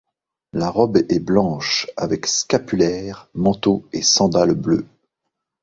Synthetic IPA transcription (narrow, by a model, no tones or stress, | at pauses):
laʁɔbɛblɑ̃ʃavɛkskapylɛːʁmɑ̃t̪oesɑ̃d̪alblø̰